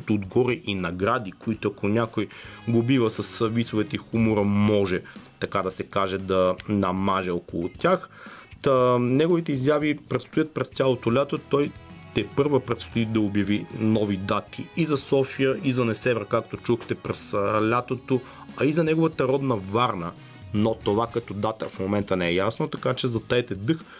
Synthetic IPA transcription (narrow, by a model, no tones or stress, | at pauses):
t̪oːd̪ɡɔɾɛʔinɐɡɾad̪ikoit̪ʊɐkonʲakojɡobivəsɐsvit̪sovɛt̪ɛixumʊɾəmɔʒɛt̪ɐkad̪ɐsɛkaʒɛd̪ɐnɐmaʒɛɔkolˠʊt̪ʲax | nɛɡovit̪ɛizjavipɾɛt̪st̪ojət̪̚pɾɛst̪sʲjalˠot̪olʲat̪ot̪ɔjt̪ɛpɤɾvəpɾɛt̪st̪oid̪ɐobjɐvinɔvid̪at̪iizɐsɔfijəʔizɐnɛsɛvɛɾkak̚t̪ot͡ʃuxt̪ɛpɾɛslʲat̪ot̪o | ɐizɐnɛɡovət̪əɾɔd̪nɐvaɾnə | not̪ovakɛt̪od̪at̪əfmomɛnt̪ənɛɛjasnot̪ɐkat͡ʃɛzɐt̪aɛt̪ɛd̪ɤx